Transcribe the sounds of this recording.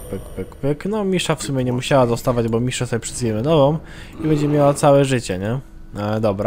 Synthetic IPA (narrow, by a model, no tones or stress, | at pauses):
pɘkpɘkpɘknɔmʲiʂafsumʲɛɲɛmuɕawad̪ɔst̪avad͡ʑbɔmʲiʂɛsɔbʲɛpʂɛvʲɛmɛnɔvɔ̃m | ibɛɲd͡ʑɛmʲjawat̪sawɛʐɘt͡ɕɛɲɛ | d̪ɔbɾa